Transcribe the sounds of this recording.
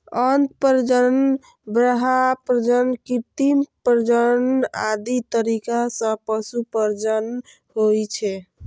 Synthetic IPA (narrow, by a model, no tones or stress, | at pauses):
ənt̪pəɾd͡ʒən | bɾəɦapɾəd͡ʒənkit̪impɾd͡ʒəna̰d̪it̪əɾikasə̃pəsupəɾd͡ʒən | ɦojt͡ʃʰɛ